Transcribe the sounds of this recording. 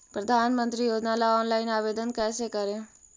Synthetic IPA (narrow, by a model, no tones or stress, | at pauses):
pɾəd̪ʱanmənt̪ɾijoːd͡ʒnalaɔnlainaːʋed̪ənkɛːsekəɾe